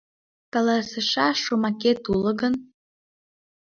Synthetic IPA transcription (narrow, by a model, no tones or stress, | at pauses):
kɑlɑsə̆ʃɑʃːomɑket̪ulə̆ɣən